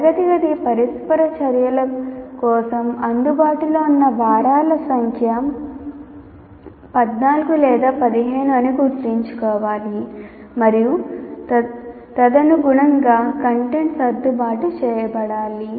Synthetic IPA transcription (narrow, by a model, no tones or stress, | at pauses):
ɐɡɐt̪iɡɐd̪ipɐɾispɐɾɐt͡ʃɐɾjɐlɐkɔːsɐmɐnd̪ubaːʈulo̞ːunːɐʋaːɾaːlɐsɐŋkʰɐjɐm | pɐd̪naːlɐɡulɛːd̪aːpɐd̪iɦeːɳuɐniɡuɾt̪ːiɲt͡ʃu̥kɔːʋaːli | mɐɾiju | t̪ɐd̪ɐnuɡuɳɐŋɡaːkɐɳʈeɳʈsɐd̪ːubaːʈut͡ʃɛːjɐbɐɽaːli